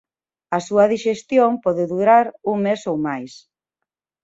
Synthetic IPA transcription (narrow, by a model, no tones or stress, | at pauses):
ɐsuɐðiʃest̪jompɔðɪðuɾaɾuŋmesowmajs